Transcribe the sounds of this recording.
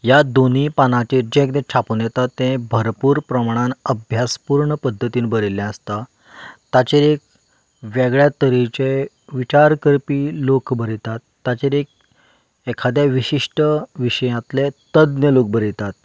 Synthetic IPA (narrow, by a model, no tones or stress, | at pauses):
jad̪onipanãt͡ɕid͡ʑẽek̚d̪ɛ̃t͡ɕʰaponjɛt̪at̪ːɛ̃bʱəɾpuːɾpɾəmaɽ̃ãnəbʱjaspuɾɳəpəd̪ʱːət̪iːnbəɾiljãəst̪a | t̪at͡ɕeɾek̚ | ʋeɡɭjat̪əɾit͡ɕe | ʋit͡ɕaɾkəɾpiːlokbəɾit̪at̪ːat͡ɕeɾek̚ | ekʰad̪jaʋiɕiʂʈəʋiɕəjãt̪let̪əd̪njəlok̚bəɾit̪at̪